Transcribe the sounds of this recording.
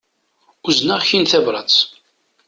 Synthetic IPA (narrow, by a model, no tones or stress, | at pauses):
uznaʁçinθævɾˤɑt͡s